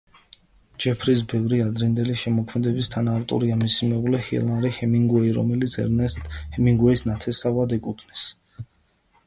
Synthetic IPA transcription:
d͡ʒɛpʰɾis̬bɛvɾiad̪ɾind̪ɛliʃɛmɔkʰmɛd̪ɛbist̪ʰanaːft̪ʼṵɾiamisimɛuʁlɛhḭlˠanɾihɛmiŋɡwɛiɾɔ̰mɛlit̪sʰɛ̰ɾɛhɛmiŋɡwɛisnat̪ʰɛsavad̪ɛkʼut̪ʰnis

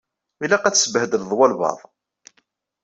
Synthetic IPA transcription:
ilæqæt͡sːsbhəd̪əððˤwɑlbɑ̰ðˤ

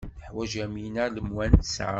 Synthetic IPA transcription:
əħwæʒæminæɾləmwænt̪sʕa

